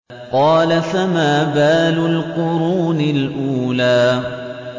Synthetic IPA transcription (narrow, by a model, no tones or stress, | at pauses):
qɑːlafamaːbaːlʊlqʊɾuːnɪlʔuːlaː